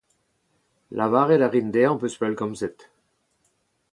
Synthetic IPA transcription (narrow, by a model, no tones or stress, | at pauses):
lʔavaʁelaʁind̪ɛɑ̃pøspœlkɔmsɛt̪